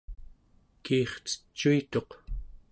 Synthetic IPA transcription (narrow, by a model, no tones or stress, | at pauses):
kiːχt͡sə̥t͡ʃːuit̪o̞q